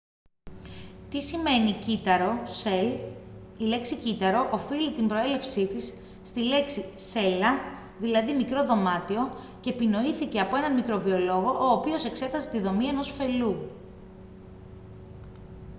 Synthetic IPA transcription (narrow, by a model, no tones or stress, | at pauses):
t̪isime̞nic̪ɾ | ile̞ksicit̪ɐɾo̞ʔofilit̪imbɾo̞e̞le̞fsit̪isː | t̪ile̞ksise̞lɐ | ðilɐðimikɾo̞ðo̞mɐt̪io̞ | cepino̞iθice̞ɐpoe̞nɐnmikɾo̞vio̞lo̞ɣo̞ʔoːpio̞se̞kse̞t̪ɐse̞̥t̪iðo̞mie̞no̞sfe̞lu